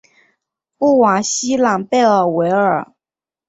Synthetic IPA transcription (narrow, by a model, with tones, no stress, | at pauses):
u˥˩wa˨˩ɕi˥la˨˩ŋpe˥˧ə˨˩we˧˥ɪə˞˨˩˦